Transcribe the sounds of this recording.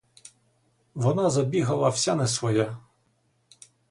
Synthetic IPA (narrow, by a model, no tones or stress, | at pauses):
ʋɔnɑzɐbʲiɦɐlˠɐwsʲanɛsʋɔja